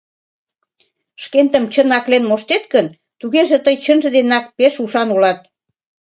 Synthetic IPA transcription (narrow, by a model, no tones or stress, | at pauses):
ʃkent̪əmt͡ɕənɑklenmoʃt̪et̪kən | t̪uɣeʒet̪əjt͡ɕənʒə̆d̪enɑk̚peʃuʃɑnulɑt̪̚